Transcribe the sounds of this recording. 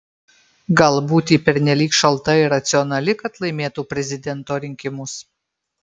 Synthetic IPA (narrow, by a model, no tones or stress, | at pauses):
ɡɐlˠbuːt̪ʲiːpʲɛɾʲnʲɛlʲiːkʃɐlˠt̪ɐɪɾɐt̪sʲɪɔnɐlʲɪkɐt̪lˠɐɪmʲeːt̪uːpʲɾʲɛzʲɪd̪ʲɛnt̪oːɾʲɪŋʲkʲɪmʊs